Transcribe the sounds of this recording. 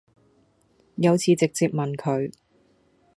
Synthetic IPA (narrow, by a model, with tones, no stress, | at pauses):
jɐ˨˧wt͡sʰiː˨˧t͡sɪ˨k̚t͡siː˧p̚mɐ˨nkʰɵ˨˧ɥ